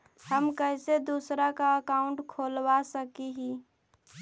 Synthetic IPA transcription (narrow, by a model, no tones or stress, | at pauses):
həmkəɪsed̪uːsɾakaəkaːʊ̃ɳʈkʰoːlwasəkiɦi